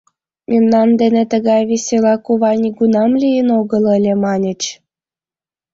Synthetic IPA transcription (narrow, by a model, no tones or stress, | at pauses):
mʲimnɑmd̪enet̪əɣɑjβisʲelɑkuβɑnʲiɡunɑmlʲijənoɣələlʲemɑnʲə̆t͡ɕ